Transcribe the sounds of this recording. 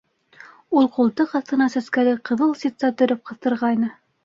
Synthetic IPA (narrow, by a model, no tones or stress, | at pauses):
ulˠqulˠt̪ɤqɑθt̪ɤ̆nɑsæskælɘqɤ̆ðɤlˠsit̪sɑt̪ɵ̆ɾɘp̚qɤ̆θt̪ɤ̆ɾʁɑjnɤ